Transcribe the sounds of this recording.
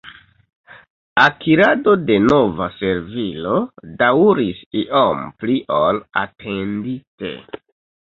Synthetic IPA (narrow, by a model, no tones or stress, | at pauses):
akʰiɾado̞de̞no̞vase̞ɾvilo̞dawɾisiʔompliʔola̰tʰe̞ndite̞̰